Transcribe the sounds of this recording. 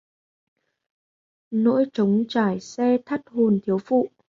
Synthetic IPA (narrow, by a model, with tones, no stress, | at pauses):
no̰˧˥jt͡ɕə˨˦wŋ͡mt͡ɕaː˧˩jsɛ˧t̪ʰə˦˥t̚ho˨˩nt̪ʰi˨˦əwfṵ˧˨ʔ